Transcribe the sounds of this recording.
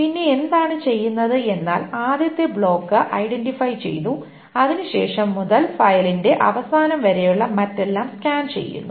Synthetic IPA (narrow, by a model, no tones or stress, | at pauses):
pinːe̞end̪aːɳɨt͡ɕe̞jːunːɐðɨe̞nːa̰ːlaːd̪jɐt̪ːe̞bɭo̞ːkːɨʔɐjɖe̞nɖifɐjt͡ɕe̞̰jt̪u | ɐðinɨɕe̞̰ːʂɐmːuðɐlfɐjɐlinde̞ʔɐʋɐsaːnɐmʋɐɾejuɭːɐmɐtːe̞lːaːmskʲaːnt͡ɕe̞̰jːṵnːu